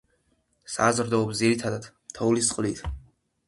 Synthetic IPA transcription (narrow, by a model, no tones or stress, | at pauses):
sazɾd̪ɔːpsd̪ziɾit̪ʰad̪ad̪̥mt̪ʰɔulisqʼlit̪ʰ